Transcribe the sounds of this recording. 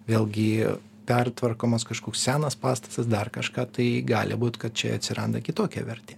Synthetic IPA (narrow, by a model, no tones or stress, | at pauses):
ʋʲeːlˠɡʲɪ | pʲɛrt̪ʋɐrkoːmɐskɐʃkoːkssʲæːnɐspɑːst̪ɐ̥sɐs̬d̪ɐrkɐʃkɑːt̪ɐɪɡɑːlʲɪ̰buːt̪kɐt̪̚t͡ʃʲɛ̰ɐ̰t̪ʲsʲɪɾɐnd̪ɐkʲɪt̪oːkʲɛ̰ʋʲɛɾʲt̪ʲeː